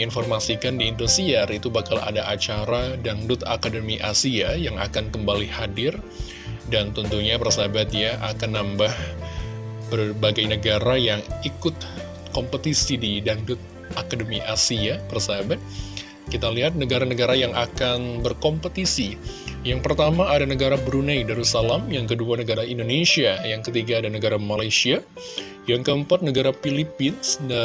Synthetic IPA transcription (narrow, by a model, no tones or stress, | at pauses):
infɔrmasikandiːndusiarit̪ubahkala̰daʔat͡ʃaɾadaŋdʊt̪a̰kadəmiʔa̰siajaŋa̰kankəmbalihadɪr | dant̪ənt̪uɲapərsabat̪jaʔa̰kanːambah | b̥ərbaɡajnəɡaɾajaŋikʊt̪̚ | kɔmpət̪isididaŋdʊt̪̚ | akadəmiʔasiapərsabat̪̚ | kit̪aliɦat̪̚nəɡaɾanəɡaɾajaŋakanbərkɔmpət̪isi | jaŋpərt̪amaːdanəɡaɾabɾunajdaɾusalamjaŋkəduanəɡaɾaindonesiajaŋkət̪iɡaːdanəɡaɾamalajsia | jaŋkəəmpat̪̚nəɡaɾafilipɪnsda